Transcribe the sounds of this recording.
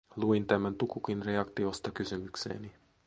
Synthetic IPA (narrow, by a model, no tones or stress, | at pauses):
luint̪æmænt̪ukukinreɑkt̪iost̪ɑkysymyksḛːni